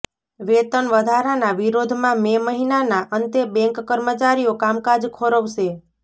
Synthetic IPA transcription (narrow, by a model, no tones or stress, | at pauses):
ʋet̪ənʋəd̪ʱaɾanaʋiɾod̪ʱmãmeməɦinanaʔənt̪ebɛ̃ŋkːəɾmət͡ʃaɾiokamkad͡ʒkʰoɾəʋʃe